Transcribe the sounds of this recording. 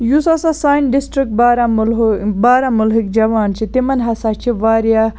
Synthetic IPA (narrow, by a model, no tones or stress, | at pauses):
jusasasaːjnɖisʈɾik̚ʈ̚baːɾamlbaːɾamʊlɦikd͡ʒɐʋaːnt͡ʃʰit̪imɐnɦɐsaːt͡ʃʰiʋaːɾja